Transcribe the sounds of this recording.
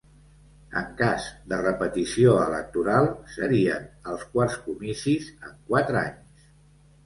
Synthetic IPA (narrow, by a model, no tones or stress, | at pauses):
ə̰ŋkazd̪ərəpət̪isioələk̚t̪uɾalˠsəɾiənəlˠskwarskumisizəŋkwat̪ɾəaɲs